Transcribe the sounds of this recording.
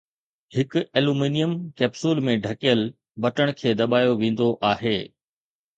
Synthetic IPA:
hɪkʊeːluːmiːnijəmkɛːpsuːlmẽɖʱɐkijəl | bɐʈəɽ̃kʰeːd̪ɐɓaːjoʋẽːn̆d̪oʔaːɦeː

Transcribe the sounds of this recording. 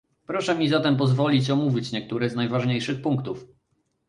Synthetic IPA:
pɾɔʂɛmʲizat̪ɛmp̬ɔzvɔlʲit͡ɕɔmuvʲit͡ɕɲɛkt̪uɾɛznajvaʐɲejʂɘxpuŋkt̪uf

